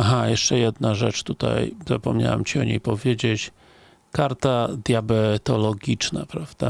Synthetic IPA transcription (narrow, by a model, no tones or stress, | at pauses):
aɦajɛʂt͡ʂɛjɛd̪naʐɛt͡ʂt̪ut̪a̰jzapɔmɲa̰wa̰mt͡ɕiɔɲejpɔvʲjed͡ʑet͡ɕ | kaɾt̪ad̪jabɛt̪ɔlɔɡʲit͡ʂna̰pɾavd̪̥a